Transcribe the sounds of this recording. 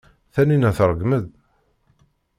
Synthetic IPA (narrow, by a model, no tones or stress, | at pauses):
θæninæθɾˤəɡməð